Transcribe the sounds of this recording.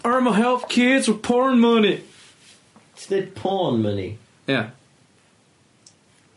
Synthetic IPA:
ɜ˞məɦɛlˠθkʰɪdzwəð̥pʰɔɹnmʌni | tslɪt̚pʰɔːnmʌnḭ | jæ

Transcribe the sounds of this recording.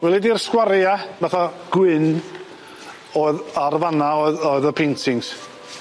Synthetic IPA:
wɛlˠidirskwaɾjavaθaɡ̥wɪn | ɔðarvanaɔðɔɨðəpʰentʰɪŋs

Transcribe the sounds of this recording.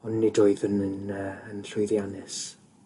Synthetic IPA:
ɔnːidoːɨðənənəːnɬʊjðjanɛs

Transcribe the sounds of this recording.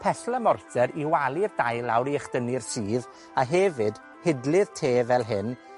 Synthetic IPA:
pʰɛɬlˠəmɔrtʰɛɾiwalˠirdajlawɾiəχd̥ənɪrsiːð | aɦɛvɨd | hɪdlˠɨð̥tʰeːvɛlˠɦɪn

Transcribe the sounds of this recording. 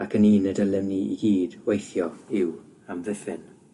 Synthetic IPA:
akʰəniːnədəlɛmniḭɡiːdwejθjɔɪw | amvɪθɪn

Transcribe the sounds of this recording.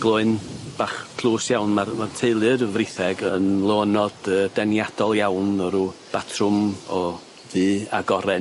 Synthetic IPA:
ɡ̥lˠʊːɨnb̥aːχkʰlˠuːsjawnmarmartʰeɨlˠɨrvrɪθɛɡənlˠoːnɔdəːdɛnjad̥ɔlˠjawnɔɾub̥atʰrʊmɔ | ðɨːaɡɔɾɛ

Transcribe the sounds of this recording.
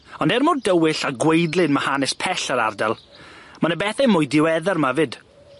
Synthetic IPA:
ɔndɛrmʊrdəwɪɬaɡwejdlˠɨnmahanɛspʰɛɬaɾardalˠmanəbɛθɛmʊːjdɪwɛðɛrmavɨd̥

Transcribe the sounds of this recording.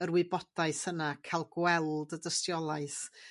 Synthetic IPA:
əɾwɪbɔdaɨshənakʰajlˠɡwɛlˠdədəstjɔlˠaɨs

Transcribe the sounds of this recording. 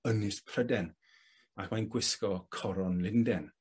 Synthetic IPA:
ənɪspʰr̥ədɛn | akmajnɡwɪskɔkʰɔɾɔnlɪndɛn

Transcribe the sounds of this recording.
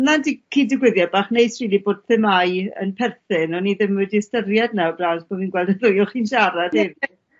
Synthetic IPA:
andikʰiːdɪɡwɪðjɔbaːχnejsriːlˠiboːd̥̚θɪmajə̰npʰɛrθɪnɔniðɪmɨdistərjadnawblˠasb̥ʰomiːnɡwɛlˠdəðʊjɔχinʃaɾadɛvi

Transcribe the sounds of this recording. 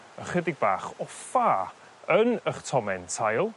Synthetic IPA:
əχədɪɡ̚baːχɔfaː | ənəχtʰɔmɛntʰajlˠ

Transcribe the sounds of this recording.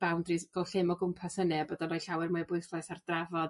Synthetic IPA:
b̥awndrivɛlˠɬɪmɔɡʊmpʰasənɨabədɔnɔjɬawɛrmʊɨbʊɨθlˠɛsardravɔd̥

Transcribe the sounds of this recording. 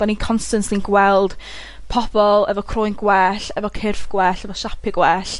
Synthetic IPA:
d̥anikʰɔnstənslinɡwɛlˠd̥ | pʰɔb̥ɔlˠɛvɔkʰroːjnɡwɛːɬɛvɔkʰɪrfɡ̥wɛːɬɛvɔʃapʰɪɡ̥wɛːɬ

